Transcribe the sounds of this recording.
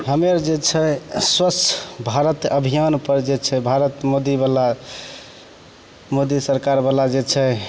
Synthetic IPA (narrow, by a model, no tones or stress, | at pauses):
ɦəmeɾd͡ʒet͡ʃʰɛswəst͡ʃʰbʱaɾət̪əbʱijanpəɾd͡ʒet͡ʃʰɛbʱaɾət̪mod̪ibala | mod̪isəɾkaɾbalad͡ʒet͡ʃʰɛ